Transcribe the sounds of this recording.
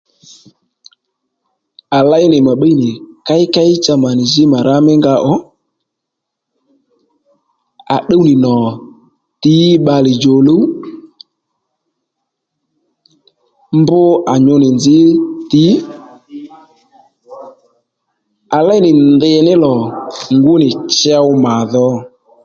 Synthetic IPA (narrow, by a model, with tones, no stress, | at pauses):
a˨la˦ɪ˦nɪ˨ma˨ɓa˦i˦nɪ˨ka˦ɪ˦ka˦ɪ˦t͡ʃa˧ma˨nɪ˨zɪ˦ma˨ɾa˦mɪ˦ŋɡa˧ʔɔ˦ | a˨ɗe˦wnɪ˨nɔ˨ | tɪ˨˦ɓa˧lɪ˨d͡ʒo˨lo˦ | mbʊ˦a˨ɲʊ˧nɪ˨nzɪ˦tɪ˨˦ | a˨lɛ˦nɪ˨ndɪ˧nɪ˦lɔ˨ŋɡu˦nɪ˨t͡ʃɛ˦wma˨ðɔ˧